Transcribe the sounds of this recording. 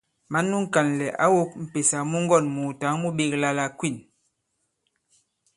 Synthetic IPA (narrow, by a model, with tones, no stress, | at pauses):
ma˨˦nːu˦ŋ̩˦ka˨nlɛ˨ʔa̰˦wo˦k̚m̩˨pe˨sa˨mu˦ŋ˦ɡɔ˦˨nmu˨ta˨˦ŋmu˦ɓe˦˨kla˦la˨kwi˦˨n